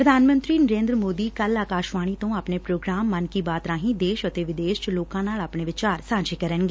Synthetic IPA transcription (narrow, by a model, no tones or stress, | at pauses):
pɾəd̪ʱaːnmə̃nt̪ɾiːnəɾẽːnd̪ɾəmoːd̪iːkəlaːkaːʃʋaːɽ̃iːt̪õːaːpneːpɾoːɡɾaːmːənkiːbaːt̪ɾãːɦĩːd̪eːʃət̪eːʋɪd̪eːʃt͡ʃloːkãːnaːlaːpɳ̃eːʋɪt͡ʃaːɾsãːd͡ʒeːkəɾənɡeː